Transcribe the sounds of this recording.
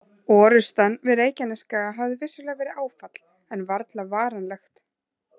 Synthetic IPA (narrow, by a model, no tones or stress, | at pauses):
ɔːɾʏst̪anvɪðeːjcanɪskaɣaɦavðɪvɪsʏɾlɛːɣavɛːɾɪaːwfat̪l̥ | ɛnvaɾt̪lavaːɾanlɛxt̪